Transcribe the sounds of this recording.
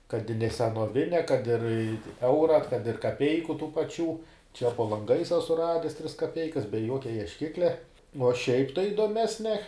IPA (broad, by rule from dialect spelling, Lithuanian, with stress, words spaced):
kɐt ɪ nʲɛ sʲɛnoːˈʋʲɪnʲɛ kɐt ɪr ɪ ˈɛʊrɐ kɐt ɪr kɐˈpʲɛɪkʊ tuː pɐˈt͡ʃʲuː t͡ʃʲɛ poː lˠɐŋˈɡɐɪs ˈɑːsʊ ˈrɑːdʲɛs tʲrʲɪs kɐˈpʲɛɪkɐs bʲɛ ˈjuɔkʲɛ iɛʃʲˈkʲɪklʲɛ nʊ uɔ ʃʲɛɪp tɐɪ ɪdoːˈmʲæːsʲnʲɛ